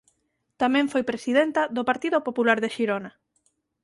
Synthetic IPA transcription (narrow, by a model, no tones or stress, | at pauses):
t̪amɛ̃ɱfojpɾesiðent̪aðopaɾt̪iðopopulaɾðeʃiɾona